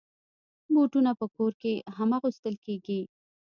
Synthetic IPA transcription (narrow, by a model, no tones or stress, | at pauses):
boʈunapəkoɾkeɦamaɣust̪əlkeɡi